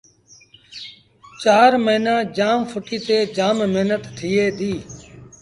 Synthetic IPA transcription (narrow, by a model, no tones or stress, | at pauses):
t͡ʃaːɾməɦinaːd͡ʒaːmfʰʊʈiːt̪eːd͡ʒaːmmeɦnət̪ːʰiːeːd̪iː